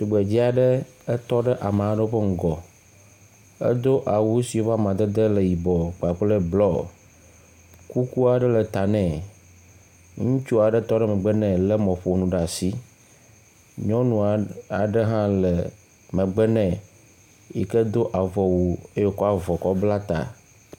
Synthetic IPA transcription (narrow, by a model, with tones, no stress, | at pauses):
t̪u˨ɡ͡be˨d͡ʑi˦a˨ɖə˦ | ə˦t̪ɔ˦ɖɛ˦ʔa˨m˨a˨˦ɖə˦wo˦ɸə˦ŋ̩˨ɡɔ˨ | ə̰˦d̪o˦ʔa˨wu˦si˨wo˦va˦mã˨d̪e˦d̪ə˦lə˨ji˨bɔ˨k͡pa˨k͡plə˦blɔ˦ | ku˦ku˦a˨ɖə˦lə˨t̪a˨nɛ̃˨ | ŋũ˦t͡ʃu˦a˨ɖɛ˦t̪ɔ˦ɖɛ˦mɛ̃˨ɡ͡bɛ˦nɛ̃˨lɛ˦mɔ̃˨ɸo˨nũ˨ɖa˨si˦ | ɲɔ̃˦nũ˨a˨ɖə˦ɦã˦lɛ˨ | mɛ̃˨ɡ͡bɛ˦nɛ̃˨ | ji˨kɛ˦d̪o˦ʔa˨vɔ˨wu˨e˦jo˦kɔ˦a˨vɔ˨kɔ˦bla˦t̪a̰˨